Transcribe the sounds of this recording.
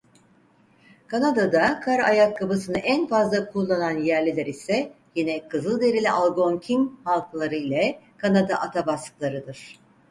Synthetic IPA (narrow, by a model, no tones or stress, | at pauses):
kʰanad̪ad̪akʰaɾa̰jakʰːabɯsɯnɯʔænfazlˠakʰulˠːananjæɾlʲilʲɛɾisɛ | jinɛkʰɯzɯlˠd̪e̞ɾilʲiʔalˠɡo̞ncʰinhalˠklˠaɾɯilʲɛkʰanad̪aʔat̪ʰabasklˠaɾɯd̪ɯɾ̥